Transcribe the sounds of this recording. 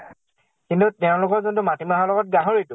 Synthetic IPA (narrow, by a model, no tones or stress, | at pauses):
kintuteʊ̃lʊkɔzuntumatimaɦalɔɡɔt̚ɡaɦoɹitʊ